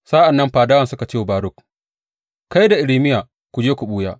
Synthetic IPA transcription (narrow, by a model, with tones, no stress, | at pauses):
saː˦ʔa˨nːɐ˦mɸaː˨daː˦wɐ˨nsʊ˦ka˨t͡ʃeː˦wbaː˨˦ɾʊ˦˨k | ka˦jda˨ʔɪ˨liː˦mɪ˦jaː˨ | kʷu˨d͡ʒeː˦kʷu˨ɓuː˦jaː˦